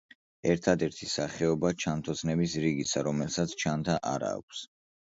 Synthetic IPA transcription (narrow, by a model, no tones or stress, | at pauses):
ɛɾt̪ʰad̪ɛɾt̪ʰisaχɛɔbat͡ʃʰant̪ʰɔsʰnɛbisɾiɡisaɾɔmɛlˠsat̪sʰt͡ʃʰant̪ʰaʔaɾa̰ːkʷʰs